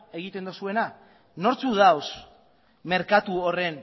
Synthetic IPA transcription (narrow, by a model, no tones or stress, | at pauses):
e̞ɣ̞it̪e̞nd̪osue̞na | no̞ɾt͡suðaws | me̞ɾkat̪uo̞re̞n